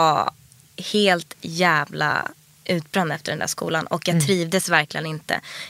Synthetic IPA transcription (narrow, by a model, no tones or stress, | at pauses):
a | heːlt̪jæːvla̰ | ʔʉ̟ːt̪̚bɾand̪ɛft̪əɖɛnd̪æ̰ːʂkṵːlanɔkjɑːt̪ʰɾiːvd̪əsvæɾklɪɡənɪnt̪ʰə̰